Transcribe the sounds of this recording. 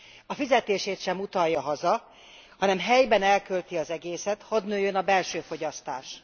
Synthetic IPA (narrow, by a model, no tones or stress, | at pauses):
ɒfizɛt̪eːʃeːt̪ʃɛmut̪ɒjːɒɦɒzɒ | hɒnɛmɦɛjbɛnɛlkølt̪iɒzɛɡeːsɛt̪hɒd̪nøːjønɒbɛlʃøːfo̞ɟɒst̪a̰ːʃ